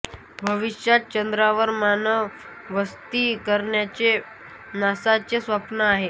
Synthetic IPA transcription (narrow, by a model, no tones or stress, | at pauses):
bʱəʋiɕjat̪̚t͡ɕənd̪ɾaʋəɾmanəʋ | ʋəst̪iːkəɾɳjat͡ɕe | nasat͡sesʋapnəaɦe